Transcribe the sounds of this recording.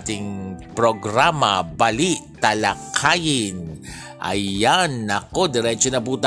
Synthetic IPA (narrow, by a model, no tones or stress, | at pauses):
t̪ɪŋpɾoɡɾamɐ̰bɐliʔt̪ɐlɐkʰajɪn | ʔɐ̰janɐko̞d̪ɛɾɛt͡ʃonɐp̬uːt̪